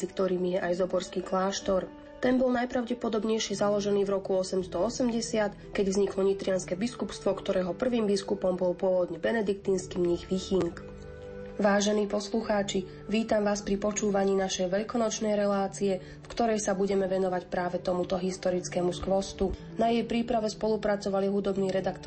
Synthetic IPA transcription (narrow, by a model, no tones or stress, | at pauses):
ikt̪ɔɾiːmijɛʔajzɔbɔɾskiːklaːʃt̪ɔɾ | t̪ɛnbɔlˠnajpɾaʊɟɛpɔd̪ɔbɲɛjʃɪɛzalɔʒɛniːvɾɔkuɔsɛmst̪ɔɔsɛmɟɛsɪat̪ | kɛɟvzɲiklɔɲit̪ɾɪanskɛbiskupst̪ʋɔkt̪ɔɾɛːɦɔpr̩ʋiːmbiskupɔmbɔlpʊɔʋɔd̪ɲɛbɛnɛd̪ik̚t̪inskiːmɲixʋixiŋk | ʋaːʒɛniːpɔsluxaːt͡ʃi | ʋiːt̪amʋaːspɾipɔt͡ʃuːʋaɲiːnaʃɛjʋɛʎkɔnɔt͡ʃnɛjɾɛlaːt͡siɛ | fkt̪ɔɾɛjsabuɟɛmɛʋɛnɔʋacpɾaːʋɛt̪ɔmut̪ɔɦist̪ɔɾit͡skɛmuskʋɔst̪u | najɛjpɾiːpɾaʋɛspɔlupɾat͡sɔʋaliɦud̪ɔbniːɾɛd̪akt̪ɔ